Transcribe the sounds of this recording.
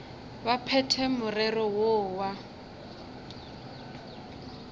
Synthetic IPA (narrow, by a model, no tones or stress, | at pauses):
βapʰɛtʰɛmʊrɛrɔwoːwa